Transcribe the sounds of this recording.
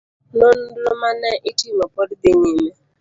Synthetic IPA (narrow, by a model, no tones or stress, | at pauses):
nonudlomanaʔitimapɔdideɲime